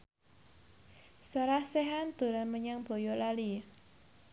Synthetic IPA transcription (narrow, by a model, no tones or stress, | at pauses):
səɾahseɦand̪̥o̤ɾanməɲaŋb̥o̤jɔlali